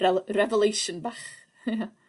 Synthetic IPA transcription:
ɛrɛvəlˠejʃənbaχ | ja

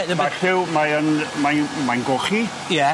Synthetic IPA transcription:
baɬɪwmajənmamajnɡoχi | jɛ

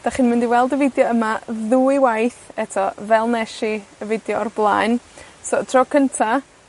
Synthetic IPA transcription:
d̥aχɨnmɪndiwɛlˠdəvɪdjɔəmaðuiwajθɛtʰɔvɛlˠnɛʃiəvɪdjɔrblˠaːjnsɔtʰrɔkʰəntʰa

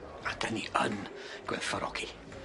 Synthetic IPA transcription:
ad̥əniə̰n | ɡ̥wɛðfɔɾʔɔ̰ɡ̥i

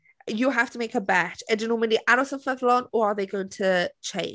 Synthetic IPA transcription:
jəɦaftəmeɪkəbat͡ʃədənomĩniʔaɾɔsə̃fəðlɔ̃nəəðeɪɡoʊɪ̃ŋtʰət͡ʃʰẽɪ̃n

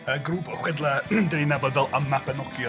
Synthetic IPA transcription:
əɡruːbɔχwɛdlˠadəninɛbɔlvɛlˠəmapɛnɔkjɔ

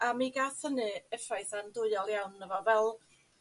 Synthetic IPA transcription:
amiɡaθənɨɛfrajθandʊɨɔlˠjawnəvɔvɛlˠ

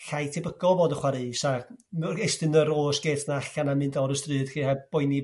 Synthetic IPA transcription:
ɬajtʰebəɡɔvoːdəχwaɾɨsamɛrejstɨnəɾoːsɡ̥eːtʰnaaɬanamɨndɔɾəstrɨːd̥χiːhɛb̥ɔjni

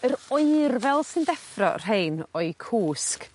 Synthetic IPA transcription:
əɾɔɨrvɛlˠsɨndɛfrɔ̰r̥ejnɔɨkʰuːsk

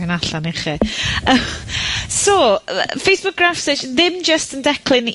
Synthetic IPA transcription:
ɪnaɬaneχiə | sɔfejsb̥ʊk̚ɡ̥rafsɪt͡ʃðɪmd͡ʒəstəndɛkʰlɪn

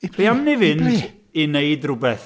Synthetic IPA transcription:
b̥eamnivɪnd | inejdrʊbɛθ

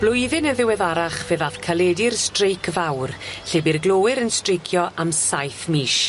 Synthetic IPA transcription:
b̥lʊjðɨnəðɪwɛðaɾaχveːðaθkʰalˠɛdɪrstrejkʰvawrɬeːbirɡlˠoːwɪɾənstrɪjkʰjɔʔamsajθmiːʃ

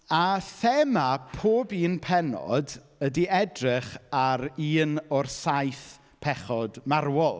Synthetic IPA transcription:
aθɛmapʰoːbiːnpʰɛnɔ̰d | ədiʔɛdrɪχaɾiːnɔrsajθ | pʰɛχɔdmarwɔlˠ

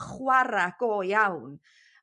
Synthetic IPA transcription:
χwaɾaɡ̥oːjawn

